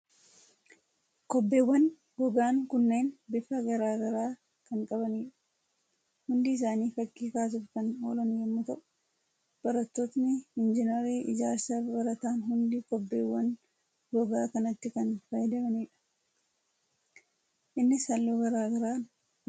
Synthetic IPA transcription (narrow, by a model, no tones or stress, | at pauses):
kɔbːe̞ːwːɐn | ɡɔɡaːŋkʊnːe̞ːnbɪfɐɡɐɾaːɡɐɾaː | kɐŋkʼɐbɐniːᶑɐ̥ | hʊnd̪ɪɪs̬aːniːfɐkʼːiːkaːs̬ʊfkɐno̰ːlɐnjɛmːʊt̪ɐʔʊ̥ | b̥ɐɾɐt̪ːoːt̪nɪɪnd͡ʒɪnɐɾiːʔɪ̰d͡ʒaːɾsɐbɐɾɐt̪aːnɦʊnd̪ikɔbːeːwːɐn | ɡɔɡaːkɐnɐt̪ːɪkɐnfɐjɪd̪ɐmɐniːᶑɐ̥ | ʔɪnːɪsɐlːoːɡɐɾaːɡɐɾaːn